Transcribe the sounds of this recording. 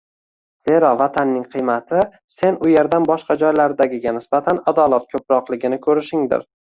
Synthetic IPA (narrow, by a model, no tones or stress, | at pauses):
z̥e̞ɾɒvat̪ʰanːɪŋqʰɨjmat̪ʰɪ | se̞nʊje̞ɾd̪anbɒʃqɑd͡ʒɒjlaɾd̪aɡʲɪɡʲanɪsbat̪ʰanad̪ɒlˠat̪̚kʰɵpɾɒqlˠɪɡʲɪnɪkʲʰɵɾɪʃɪŋd̪ɪ̰ɾ